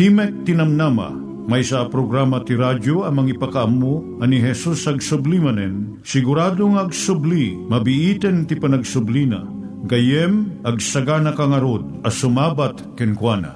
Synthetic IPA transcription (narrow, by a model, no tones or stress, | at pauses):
t̪imɛk̚t̪inɐmnamɐ̰ | mɐjsaʔapɾoɡɾamɐt̪iɾad͡ʒoɐmɐŋipɐkaʔɐmːo | ɐniɦɛsusɐɡsʊblimɐnɛn | sɪɡʊɾaːd̪oŋɐɡsʊblimɐbiʔit̪ɛnt̪ipɐnɐɡsʊblina̰ | ɡɐjɛmʔɐɡsɐɡanɐkaŋɐɾod̪̚ɐsʊmabat̪kɛnkwanɐ̰